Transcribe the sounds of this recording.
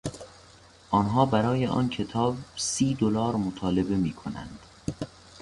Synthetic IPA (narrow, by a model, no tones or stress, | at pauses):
ʔɒːnɦɒːbæɾɒːjeʔɒ̰ːncʰe̞t̪ʰɒːbsiːd̪olɒːɾmot̪ʰɒːle̞be̞miːkʰonæ̰nd̪̥